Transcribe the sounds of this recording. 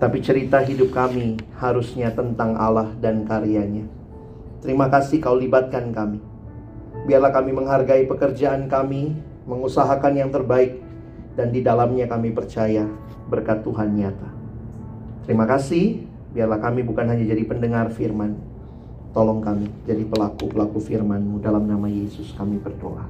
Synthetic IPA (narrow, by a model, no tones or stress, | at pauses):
t̪apit͡ʃəɾit̪aɦidʊp̚kamihaɾusɲat̪ənt̪aŋʔa̰lahdankaɾiaɲa | t̪əɾimakasɪhkaolibat̪̚kankami | biarlahkamiməŋɦarɡaipəkərd͡ʒaʔankami | məŋusaɦakanjaŋt̪ərbaɪk̚ | dandidalamɲakamipərt͡ʃaja | bərkat̪ːuɦanɲiat̪a | t̪əɾimakasɪh | biarlahkamibukanɦaɲad͡ʒadipəndəŋarfirman | t̪olɔŋkamid͡ʒadipəlakupəlakufirmanmudalamnamajesʊskamibərdo̰ʔa̰